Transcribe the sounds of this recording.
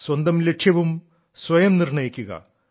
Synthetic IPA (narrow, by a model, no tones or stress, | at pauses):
swɐnd̪ɐmleʈʂjɐʋum | sʋɐjɐmnirɳɐjikʲːuɣɐ̰